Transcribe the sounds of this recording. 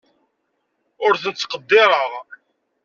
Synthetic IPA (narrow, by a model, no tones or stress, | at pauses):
ʊɾθənt͡sːqəd̪ːɪɾˤəʁ